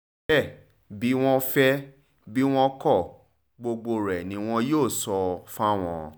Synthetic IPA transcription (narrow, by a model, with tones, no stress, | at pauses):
ɛ˦˨ | bi˨˦w̃ɔ̃˦fɛ˦ | bi˦w̃ɔ̃˦kɔ˦˨ | ɡ͡bo˧ɡ͡bo˧ɾɛ˨nĩ˧˦w̃ɔ̃˧joː˦˨sɔ˧fa˦w̃ɔ̃˧